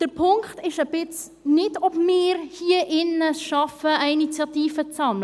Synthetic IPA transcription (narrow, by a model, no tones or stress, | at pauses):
d̥əɾpʰʊŋkχtɪʃəbɪt͡s | nɪtɔpmɪːrhiːəʔɪnəʃɑfəəinit͡sjɑtiːfət͡sɑmlə